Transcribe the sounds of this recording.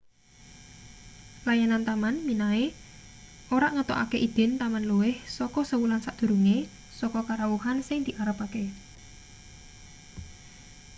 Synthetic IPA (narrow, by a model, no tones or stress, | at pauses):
lajanant̪amanminae | oɾaʔŋət̪oʔa̰keʔid̪̥ɪ̤nt̪amanluwɪhsɔkɔsəwulansaʔd̪̥ṳɾuŋe | sɔkɔkaɾawuhansɪŋd̪̥iʔaɾəpake